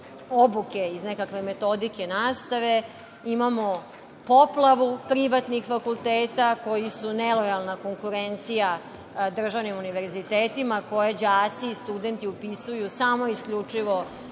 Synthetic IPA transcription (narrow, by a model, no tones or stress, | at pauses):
obuke̞iznekakʋe̞me̞t̪o̞d̪ike̞naːst̪aʋe̞ | imamo̞ | po̞plaʋupɾiʋat̪nixfakulˠt̪eːt̪ako̞jisunelojalˠnako̞ŋkuɾent̪sija | d̪r̩ʒaʋnimuniʋeɾzit̪eːt̪imako̞jed͡ʑaːt̪siːst̪ud̪e̞nt̪iupisujusamo̞iskʎut͡ʂiʋo̞